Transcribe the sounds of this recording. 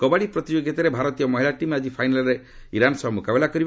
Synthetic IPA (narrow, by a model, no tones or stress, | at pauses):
kɔbaɽipɾɔt̪id͡ʒoɡjit̪aɾebʱaɾɔt̪ijɔmɔɦilaʈimad͡ʒipʰajnalɔɾe | iɾansɔɦɔmukabelakɔɾib